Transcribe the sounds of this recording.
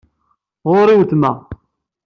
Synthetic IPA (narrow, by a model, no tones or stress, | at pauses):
ʁoɾiwθmæ